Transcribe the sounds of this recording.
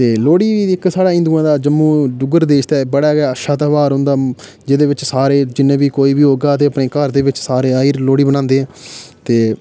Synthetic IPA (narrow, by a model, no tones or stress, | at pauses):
t̪eːloːɽiːiːɪksaːɽaːɪ̃nd̪uːãːd̪aːd͡ʒəmːũːɖʊɡəɾd̪eːʃt̪ɛːbəɽaːɡaːəʃaːt̪aʋaːɾɦʊ̃ːnd̪aː | d͡ʒed̪eːʋɪt͡ʃsaːɾeːd͡ʒɪnːẽːbiːkoːiːbiːɦoːɡaːt̪eːəpneːkəɾd̪eːʋɪt͡ʃsaːɾeːaːiːɾloːɽiːbənãːnd̪eːɦɛ̃ːt̪eː